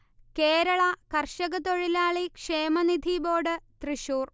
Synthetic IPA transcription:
keːɾɐɭɐkɐrʂɐɣɐt̪o̞ɻilaːɭikʂeːmɐnid̪ʱibo̞ːɽɨt̪riɕuːr

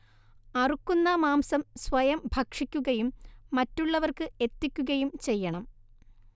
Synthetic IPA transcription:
ɐrukːunːɐmaːmsɐmsʋɐjɐmbʱɐkʂikʲːuɣɐjumːɐtːuɭːɐʋɐrkɨe̞t̪ːikʲːuɣɐjumt͡ɕe̞jːɐɳɐm

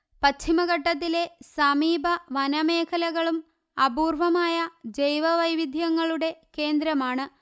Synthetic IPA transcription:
pɐt͡ɕʰimɐɣɐʈːɐt̪̬ːile̞sɐmiːbʱɐʋɐnɐme̞ːkʰɐlɐɣɐɭum | ɐbuːrʋɐmaːjɐd͡ʑejʋɐʋɐjʋid̪ʱjɐŋːɐɭuɽe̞ke̞ːnd̪ɾɐmaːɳɨ

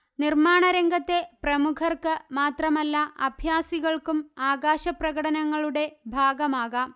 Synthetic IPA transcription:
nirmaːɳɐɾɐŋɡɐt̪ːe̞prɐmukʰɐrkɨmaːt̪rɐmɐlːɐɐbʱjaːsiɣɐɭkumaːɣaːɕɐprɐɣɐɽɐnɐŋːɐɭuɽe̞bʱaːɡɐmaːɣɐ

